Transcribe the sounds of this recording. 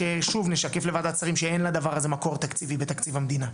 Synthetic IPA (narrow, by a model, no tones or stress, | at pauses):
ʃeʃuvneʃake̞fle̞vad̪at͡saʁimʃeenlad̪avaʁazemako̞ʁt̪akt͡sivibet̪akt͡sivhamd̪ina